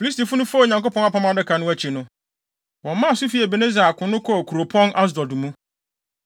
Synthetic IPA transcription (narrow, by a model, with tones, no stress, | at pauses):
fi˨i˦s̬ti˨fʊ˦nʊ̃˦fɲã˨ŋko˦pʰɔ̃˦n˦a˦pʰɔ̃˦ma˨dɪ˦kʰa˨nʊ̃˦æ˨t͡ɕʰi˨nʊ̃˦ | wɔ̃˨mmːã˦˨sʊ˦fi˨˦æ˨be˨nẽ˦za˨a˨kʰʊ̃˨nʊ̃˦kʰɔ˦˨kʰu˨ɾo˨pʰɔ̃˦nʔa˦s̬dɔ˨du˨mũ˦